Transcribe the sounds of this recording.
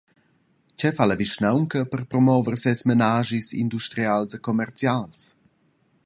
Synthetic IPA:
t͡ɕɛfaləviʃnawŋkəpərpɾɔmɔvərsɛsmenaːʒisḭnd̪uʃt̪ɾialsekɔmɛrt͡sjals

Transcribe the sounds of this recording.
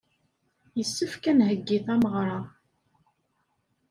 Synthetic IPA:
jəsːəfkænɦəɡːiθæməʁɾˤɑ

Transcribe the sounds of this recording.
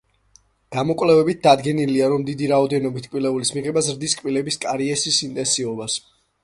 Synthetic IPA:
ɡ̥amɔkʼvlɛvɛbit̪̚d̪ad̪ɡɛniliaɾɔmd̪id̪iɾaɔd̪ɛnɔbit̪ʰkʼwilɛulismiʁɛbazɾd̪iskʼpilɛbiskʼaɾiɛsisint̪ʼɛnsiɔbas

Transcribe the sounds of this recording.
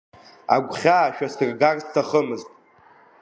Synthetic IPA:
a̰ɡʷχʲaːʃᶣasɨrɡarstʰaχəmɨztʼ

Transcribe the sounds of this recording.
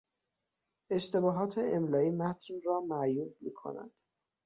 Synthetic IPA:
e̞ʃt̪ʰe̞bɒːɦɒːt̪ʰe̞emlɒːiːmæt̪ʰnrɒːmæʔjuːb̚miːkʰo̰næ̰d̪̥

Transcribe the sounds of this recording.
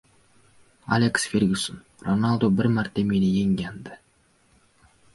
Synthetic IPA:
a̰lʲeksfʲeɾʲɡʲɪson | ronalˠd̪obɪɾmaɾt̪ːemenɪjeŋɡʲand̪ɪ

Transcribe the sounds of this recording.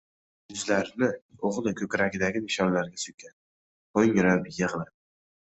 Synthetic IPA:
jʊzlaɾnɪoʁlˠɪkʲʰɵkʲɾaɡʲɪd̪aɡʲɪmɪʃɒnlaɾɡʲasʊkʲʰan | oŋɾabjɨʁla

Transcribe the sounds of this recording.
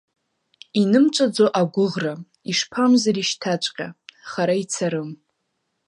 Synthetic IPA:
inɨmt͡ʃʷʼad͡zoʔaɡʷʊʁra | iʂpʰamzaɾiʃtʰat͡ʃʷʼqʲʼaχaɾait͡sʰaɾɨm

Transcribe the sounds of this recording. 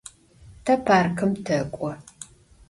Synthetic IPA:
tʰɐpʰaːrkʰɨmtʰɐkʷʼɔ

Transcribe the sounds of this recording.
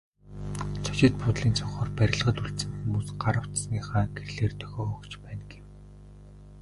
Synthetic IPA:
t͡sʰɔ̥t͡ɕɪ̆t̪̚pʰʊt̪ɮiːnt͡sʰʊɴχɔːrpæɾʲɪ̆ɮʁə̆ɮuɬt̪sɘ̆mt̪ɘ̆npusɢaɾə̆w̥t̪sniːχaːɡerɮeːrt̪ʰœ̥xʲɔːkt͡ɕpæːnɡew

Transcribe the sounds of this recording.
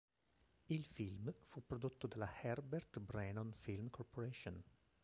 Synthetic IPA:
ilfilmfuːpɾod̪ut̪ːod̪ɛlahɛɾbɛɾt̪bɾɛnɔnfilmkʰɔɾpoɾeʃon

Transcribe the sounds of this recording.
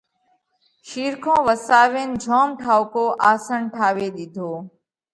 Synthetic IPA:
ʃiːɾkʰõːʋəsaːʋeːnd͡ʒʱoːmʈʰaːʋʊkoːʔaːsəɳʈʰaːʋeːɗɪd̪ʱoː

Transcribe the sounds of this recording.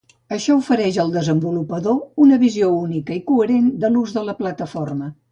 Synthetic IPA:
əʃɔufəɾɛʒəlˠd̪əzəmbulupəðounəβiziounikəikuəɾend̪əluzðələplət̪əformə

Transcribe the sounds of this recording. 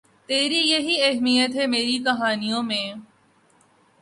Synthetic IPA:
t̪eːɾijɐɦiɐɦmijət̪ɦɛmeːɾikɐɦaːnijõmẽː

